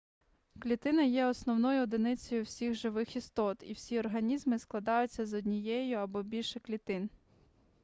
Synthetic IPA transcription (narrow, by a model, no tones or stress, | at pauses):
klʲit̪ɪnɐjɛɔsnɔwnɔjʊɔd̪ɪnɪt͡sʲɔjʊwsʲiɣʒɪʋɪxist̪ɔt̪ḭwsʲiɔrɦɐnʲizmɪsklˠɐd̪ɑjʊt͡sʲːɐzɔd̪ʲnʲijɛjʊɐbɔbʲilʲʃɛklʲit̪ɪn